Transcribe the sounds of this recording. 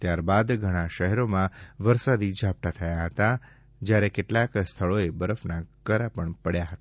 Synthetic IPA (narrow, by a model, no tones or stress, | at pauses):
t̪jaɾbad̪ɡʱəɽ̃aʃəɦɛɾomãʋəɾsad̪id͡ʒʱap̚ʈ̪at̪ʰəjaɦət̪a | d͡ʒjaɾekeʈlakst̪ʰəɭoebəɾəfnakəɾapəɳpəɽjaɦət̪a